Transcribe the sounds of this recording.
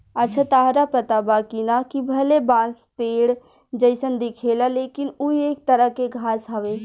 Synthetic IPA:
ɐtːʃʰat̪aːɦɾapɐt̪abaːkinakibʱɐlebãːspeːɽ | d͡ʒəɪsənd̪ɪkʰeːlaleːkɪnuieːk̚t̪əɾəɦkeɡʱaːsɦɐʋeː

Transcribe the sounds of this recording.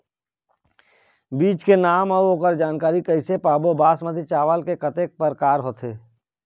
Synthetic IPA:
biːt͡ʃkenaːməoːkəɾd͡ʒaːnkaːɾikəɪsepaːbobaːsmət̪it͡ʃaːʋəlkekət̪eːk̚pəɾkaːɾɦoːt̪ʰeː

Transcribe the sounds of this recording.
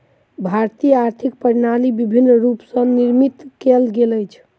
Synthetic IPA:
bʱaɾt̪ijəaɾt̪ʰik̚pəɾnalibibʱinːɾupsə̃niɾmit̪kelɡeləjt͡ʃʰ

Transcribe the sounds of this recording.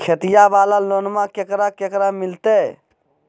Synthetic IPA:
kʰet̪ijaʋaːlaloːnmãkekɾakekɾamɪlt̪e

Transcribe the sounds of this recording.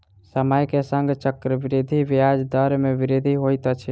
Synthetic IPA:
səməjkesə̃ŋɡt͡ʃəkɾəbiɾid̪ʱibiad͡ʒd̪əɾmeʋiɾid̪ʱiɦojt̪ət͡ʃʰi

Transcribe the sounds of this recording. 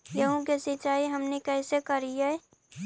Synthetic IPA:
jəɦũk̬esɪt͡ʃaːiɦɐmnekɛːsekəɾiɛ

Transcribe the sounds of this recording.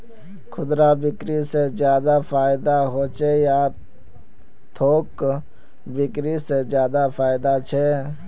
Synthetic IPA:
kʰʊd̪ɾabɪkɾisezjaːd̪apʰaːɪd̪aɦoːt͡ʃʰejaː | t̪ʰoːk | bɪkɾised͡ʒjaːd̪apʰaːɪd̪at͡ʃʰɛː

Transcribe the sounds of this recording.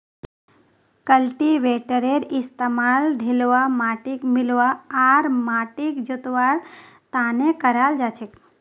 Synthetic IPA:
kəlʈiʋeːʈəɾeɾɪst̪əmaːlɖʱilʋamaːʈikmɪlʋaaɾmaːʈikd͡ʒot̪ʋaːɽ | t̪ãnekəɾald͡ʒat͡ʃʰek

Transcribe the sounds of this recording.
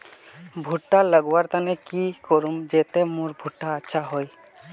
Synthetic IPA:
bʱuʈːaləɡuaɾt̪anɛkikɔɾumd͡ʒet̪emũɾbʱuʈːaətːʃʰaɦɔj

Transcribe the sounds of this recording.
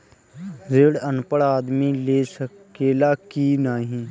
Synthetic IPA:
zeːɽənpəɽaːd̪mileːsəkeːlaːkiːnaːɦĩː

